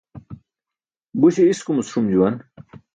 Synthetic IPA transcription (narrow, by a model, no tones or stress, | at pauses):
buɕiiskumusʂumd͡ʑuwɐn